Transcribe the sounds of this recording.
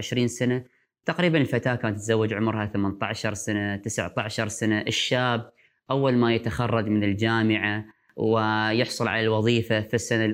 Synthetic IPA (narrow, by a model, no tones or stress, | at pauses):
ɪʃɾiːnsana | t̪aqɾiːbanɪlfat̪aːkaːnt̪ːzawːad͡ʒʕʊmɾhaθamant̪aʕʃɑɾˤsanat̪ɪsʕt̪aʕʃɑɾˤsanaʔɪʃːaːb̚ | ʔawːalmajat̪axɑrˤːɑd͡ʒmɪnɪld͡ʒaːmɪʕa | wɪjɪħsˤʊlʕa̰lalwɑðˤiːfafisːana